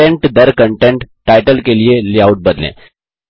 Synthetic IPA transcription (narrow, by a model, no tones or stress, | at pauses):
eɳʈd̪əɾkəɳʈeɳʈːajʈəlkelijeliauʈ̚bəd̪lḛ̃